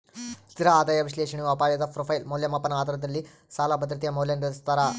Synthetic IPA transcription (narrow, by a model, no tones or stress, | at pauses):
st̪iɾɐaːd̪aːjɐʋiʃleːʂɐɳiʋɐpaːjɐd̪ɐpɾopʰɐjlmoːljɐmɐpːɐnaːd̪ɐɾɐd̪ɐlːi | saːlabɐd̪ɾɐt̪ijɐmoːljɐnɖɐst̪ɐɾa